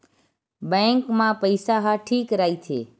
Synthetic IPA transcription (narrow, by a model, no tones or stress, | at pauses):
bə̃ŋkmãpəjsaɦaʈʰiːkɾait͡ʃʰḛ